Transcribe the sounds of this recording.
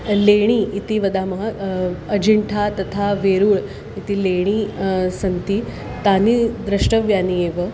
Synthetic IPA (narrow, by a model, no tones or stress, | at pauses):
leɽ̃iːt̪iʋɐd̪aːmɐɦɐɐd͡ʑiɳʈʰat̪ɐt̪ʰaʋeɾuːɭ | it̪ileɽ̃isɐnt̪i | t̪aːnid̪ɾɐʂʈəʋjaːnieʋə